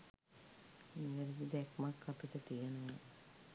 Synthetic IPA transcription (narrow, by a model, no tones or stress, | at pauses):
iʋeɾid̪id̪ɛkmakʰːapiʈət̪ijənəʋa